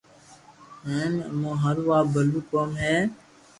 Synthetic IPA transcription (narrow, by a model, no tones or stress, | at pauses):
ɦeːmə̰mõːɦəɾʋaːbəluːkoːmɦɛː